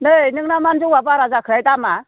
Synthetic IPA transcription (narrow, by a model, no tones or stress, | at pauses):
nɯjnɯŋnamanzuŋwabaɾazakʰɯɾajdama